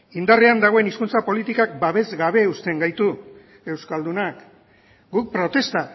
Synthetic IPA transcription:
ind̪areand̪aɣ̞o̞e̞niskunt͡sapo̞lit̪ikak̚baβe̞zɡaβ̞e̞ust̪e̞ŋɡajt̪u | e̞wskald̪unak | ɡuk̚pɾo̞t̪e̞st̪a

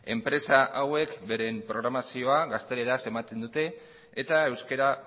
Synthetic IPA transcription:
e̞mpɾe̞saʔawe̞kbe̞ɾe̞mpɾo̞ɣ̞ɾamasio̞aɣast̪e̞ɾeɾase̞mat̪e̞nd̪ut̪e̞ː | t̪ae̞wske̞ɾa

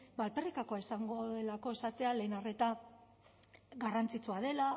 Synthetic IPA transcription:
balperikako̞aisaŋɡo̞ðe̞lako̞esat̪e̞ale̞ːnare̞t̪a | ɡarant͡sit͡suað̞e̞la

